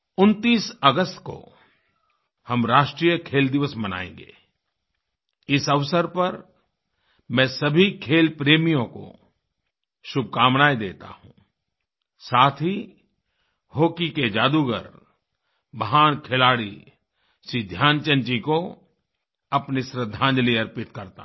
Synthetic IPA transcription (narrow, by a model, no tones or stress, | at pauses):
ʊnt̪iːsəɡəst̪ko̰ | hɐmɾaːʃʈɾiːjəkʰeːld̪ɪʋəsməna̰ːḛ̃ːŋɡḛː | ɪsɐʋsəɾpɐɾ | mɛ̃ːsɐbʱikʰeːlpɾeːmijõko̰ | ʃʊb̚ʱkaːmnaːed̪eːt̪a̰ɦṵ̃ː | saːt̪ʰi | hoːkiked͡ʒaːd̪uɡə̰ɾ | bəɦaːnkʰɪlaːɽḭ | sid̪ʱjaːnt͡ʃə̃nt͡ʃiko | ɐpnisɾəd̪ʱːãːnd͡ʒliɐɾpɪt̪kɐɾt̪a̰